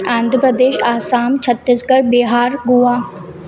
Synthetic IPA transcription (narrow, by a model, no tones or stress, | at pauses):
ãːnd̪ʱɾəpɾəd̪eːʃaːsaːmt͡ʃʰət̪ːɪsɡəɾbɪɦaːɾɡuaː